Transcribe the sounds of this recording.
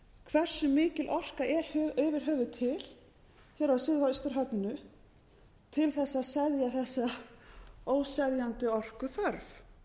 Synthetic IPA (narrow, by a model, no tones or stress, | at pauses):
kʰvɛr̥sʏmɪːcɪlʔɔr̥kaʔɛɾœvɪɾ̥ɦœːvʏt̪ʰɪl̥ | çɛɾawsɪːðhɔjst̪ʏɾ̥ɦœt̪nɪnʏ | t̪ʰɪlθɛsːaðsɛðjaθɛsːa | oːwsɛðjant̪ʏɔr̥kʏθœɾv